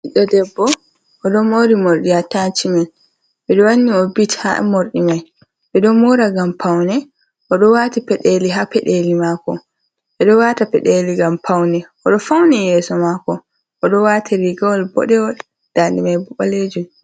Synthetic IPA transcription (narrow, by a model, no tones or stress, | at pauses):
ʔiɗɔdɛbːɔ | ʔɔɗɔmoɾimoɾɗihatant͡ʃimɛn | ɓɛɗɔwanːiɔbitha̰moɾɗimaj | ɓɛɗɔmoɾaɡampʰawnɛ | ʔɔɗɔwaːtipɛɗeliɦapɛɗelimaːkɔ̰ | ɓɛɗɔwatapɛɗeliɡampʰawnɛʔɔɗɔfawnɛjɛːsɔmakɔ | ʔɔɗɔwatʰiɾiɡawalbɔ̰ɗɛwɔl | d̥andɛmajbuɓaled͡ʒum